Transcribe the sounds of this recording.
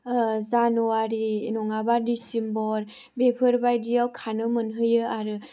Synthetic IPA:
zanuaɾinɔŋabadisimbɔɾ | bepʰɯɾbajdijawkʰanɯmɯnɦɯjɯaɾɯ

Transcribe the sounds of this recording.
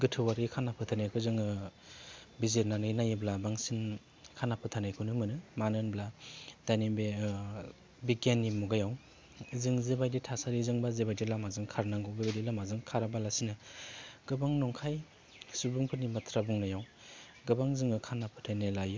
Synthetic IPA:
ɡɯtʰɯwaɾikʰanapʰɯtʰanajkʰɯzɯŋɯ | bizeɾnanɯjnajɯblabaŋsin | kʰanapʰɯtʰanajkʰɯnɯmɯnɯmanɯnbladanibe | bikanːimuɡajaw | zɯŋzebajditʰasaɾizɯŋbazebajdilamazɯŋkʰaɾnaŋɡɯbebajdilamazɯŋkʰaɾabalasinɯɡɯbaŋnɔŋkʰaj | subuŋpʰɯnimatʰɾabuŋnajaw | ɡɯbaŋzɯŋɯkʰanapʰɯtʰajnajlajɯ

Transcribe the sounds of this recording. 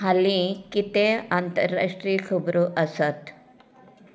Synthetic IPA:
ɦɐlikit̪eaːnt̪ɐɾːa̰ʂʈɾikʰubɾuʔɐsɐt̪

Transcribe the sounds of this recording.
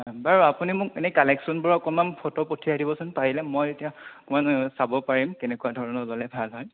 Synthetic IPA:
abaɹuapunimʊkenɛkalɛksɔnbɔɹɔkɔmanpʰɔtɔpotʰiadibɔsunpaɹilɛmɔjetijakumansabɔpaɹimkɛnɛkuadʱɔɹɔnɔlɔlɛbʱalɦɔj

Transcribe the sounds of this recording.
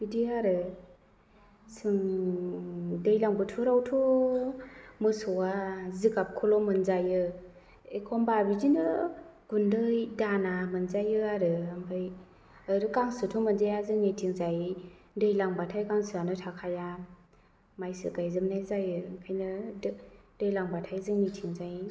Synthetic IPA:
bidiaɾɯ | sɯŋ | dɯjlaŋbɯtʰuɾawtʰu | mɯsɔwazɯkap̚kʰɔlɔmɯnzajɯ | ekʰɔmbabizinɯɡ̥undɯjdanamɯnzajɯaɾɯambʰɯj | aɾɯkaŋsɯtʰumɯnzajazɯŋnitʰiŋzaj | dɯjlaŋbatʰajkaŋsɯanɯtʰakʰaja | majsɯ̰kajzɯmnajzajɯkʰajnɯddɯjlaŋbatʰajzɯŋnitʰiŋzaj

